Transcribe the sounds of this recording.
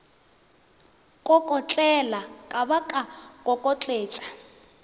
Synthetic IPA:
kʼɔkʼɔt͡ɬʼɛlakʼaβakʼakʼɔkʼɔt͡ɬʼeːt͡ʃʼḁ

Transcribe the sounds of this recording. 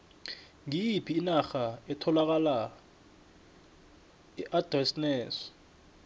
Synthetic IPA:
ŋijipʰiːnaxaɛtʰɔlak̬ala | ɛʔad̥rɛsnɛːsɔ̥

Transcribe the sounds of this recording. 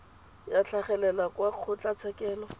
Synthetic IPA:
jat͡ɬʰaχɛlɛlakwaq͡χʰʊt͡ɬʼat͡sʰɛkʼɛːlɔ

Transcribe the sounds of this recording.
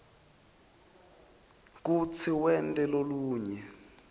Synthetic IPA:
k̬ut͡sʰiwɛntʼɛloluːɲɛ

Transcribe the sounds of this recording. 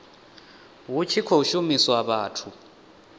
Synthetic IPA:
wut͡ʃʰikʰɔuʃumiswaβaːtʰu

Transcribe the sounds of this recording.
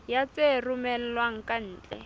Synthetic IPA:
jat͡serumɛl̩lwaŋ̩kan̩ːt͡ɬɛ̰

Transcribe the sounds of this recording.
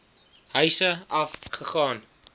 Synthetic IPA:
ɦœɥsəɐfχəχɑːn

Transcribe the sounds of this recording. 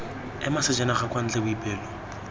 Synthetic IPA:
ɛmasɪd͡ʒɛnaχakwan̩t͡ɬɛbʊipʼɛːlɔ

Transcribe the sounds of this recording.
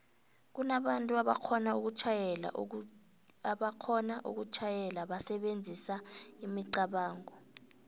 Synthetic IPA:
k̬unaɓantʼuaɓa̰kʰɔnauk̬ut͡ʃʰajɛla̰ | aɓakʰɔnaʔṵk̬ut͡ʃʰajɛlaɓasɛɓend͡zʱisaimiǀaɓaːŋɔ

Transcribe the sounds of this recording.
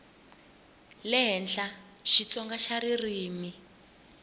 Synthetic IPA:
lɛɦɛnɬa | ʃit͡sɔŋɡaʃaɾiriːmi

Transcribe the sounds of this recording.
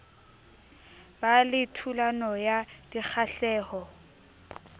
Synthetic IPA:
balɪtʰulanɔjad̥ik͡xʰaɬɛːhɔ

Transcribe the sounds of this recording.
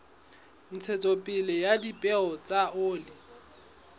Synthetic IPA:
n̩t͡sʰɛt͡sʼɔpʼɪlɪjadipʼɛɔt͡sʼaʔʊːlɪ

